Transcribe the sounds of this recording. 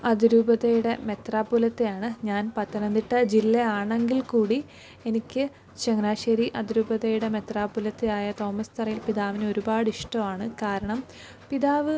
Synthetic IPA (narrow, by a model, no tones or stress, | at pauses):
ɐðiɾuːbɐðejuɽeme̞t̪raːpːulɐt̪ːejaːɳɨɲaːnpɐt̪ːɐnɐnd̪iʈːɐd͡ʑilːɐaːɳeŋɡilkuːɽi | e̞nikʲːɨ | t͡ɕeŋnaːɕɐɾiʔɐðiɾuːbɐðejuɽeme̞t̪raːpːulɐt̪ːeaːjɐt̪o̞ːmɐst̪ɐrɐjilpiðaːʋineo̞ɾubaːɽiʂʈɐmaːɳɨkaːɾɐɳɐm | piðaːʋɨ